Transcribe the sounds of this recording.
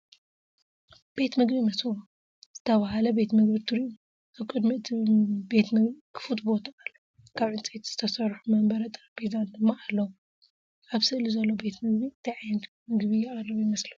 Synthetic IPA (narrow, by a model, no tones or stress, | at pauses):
b̥e̞t̪mɨɡbimɐsɨβu | z̥ɨt̪ʰɐβɐhalɐbe̞t̪mɨɡbit̪ʰɨɾiu | ʔaβkʼɨd̪mit̪ʰbe̞t̪mɨɡbikʰɨ̥fut̪bo̞t̪ʰɐalːo | kʰaβʕɨnt͡sʼɐt̪ʰz̥ɨt̪ʰɐsɐɾħumɐmbɐɾɐt̪ʼɐɾbezand̪ɨmːaʔalːɐwu | ʔaβsɨʔlizɐlːobe̞t̪mɨɡbint̪ʰɐjʕajnt̪ʰ | mɨɡbijɪχʼɐrɨβjimɐsli